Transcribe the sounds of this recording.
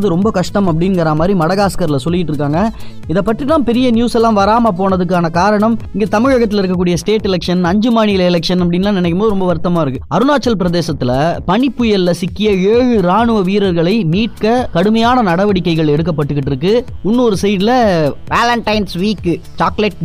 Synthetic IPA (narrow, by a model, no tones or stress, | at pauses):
ðɯɾɔmbɐkɐʂʈɐmɐpːɐɽɪnɡɐɾamaːd̪ɾimɐɽɐɣaːskɐɾɪlɐsɔlːɪjɪʈːɪɾɯkːaːŋɡɐ | ɪðɐpːɐʈːriʈ̪ːãːmpɛɾɪjɐnjuːsɛlːãːmʋɐɾaːmɐp̬oːɳɐðɯk̬ːaːnɐkaːɾɐɳɐmɪŋɡeːt̪ɐmɪɻɐɣɐt̪ːɪlɐɪɾɯkːɐk̬ːuːɽɪjɐsʈeːʈːɛlɛkʂɐnɐɲd͡ʒɯmaːɳɪjɪlɐɪlɛkʂɐnɐp̬ːɐɽɪnːnãːnɪnɛkːɯmboːðɯɾɔmbɐʋɐɾt̪ːɐmaːɪɾɯkːɯɐɾɯnaːt͡ʃːɐlpɪɾɐðeːsɐt̪ːɪlɐpɐɳɪpːɯjɛlːɐsɪkːɪjɐeːɻɯɾaːɳɯʋɐʋiːɾɐɾɣɐɭɐɪmiːʈ̚kɐkɐɽɯmɐjaːnɐnɐɽɐʋɐɽɪkːɐɪɣɐɭɛɽɯk̬ːɐpːɐʈːɯkːɪʈːɪɾɯkːɯʊnːɯɔɾɯsɐjðɪlɐʋaːlɐɳʈɐɪnsʋiːkːt͡ʃaːklɛʈ